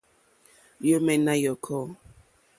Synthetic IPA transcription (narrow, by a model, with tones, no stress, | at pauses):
jo˦mɛ˨na˦jɔ˨kʰɔ˦